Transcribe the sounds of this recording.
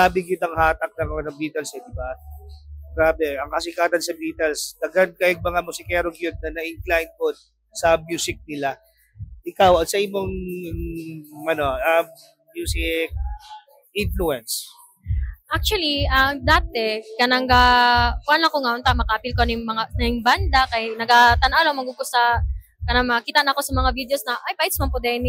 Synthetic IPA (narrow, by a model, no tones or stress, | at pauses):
abɪɡɪd̪ɐŋhaːt̪ɐk̚nɐŋɐonɐŋbiːt̪ɐlsɛd̪ɪba | ɡ̥ɾaːbɛʔɐŋkɐsɪkaːt̪ɐd̪sɐbiːt̪ɛlsd̪̥ɐɡad̪̚kajɐɡ̚mɐŋamʊsɪkɛːɾoɡjʊd̪̚nɐnɐʔɪŋklajn̚pod̪̚ | sɐmjuːsɪk̚nɪla | ʔɪkawɐŋsɐʔimoŋ | ʔɐno̞ɐmː | juːsɪk̚ | ʔɪnfluɛns | ʔak̚t͡ʃuɐliʔɐd̪aːt̪ɛkɐnɐŋɡakoanlɐkoŋɐjont̪amɐkɐʔɐpilkonɐjʊŋmɐŋanɐjʊŋband̪ɐkɐjnɐɡat̪ɐnʔaloŋmɐɡuɡʊsa | kɐnaŋmɐɐkiːt̪ɐʔnɐɐko̞sɐmɐŋavid̪eosnɐʔajpajɪt̪smɐŋpod̪ɛmɪ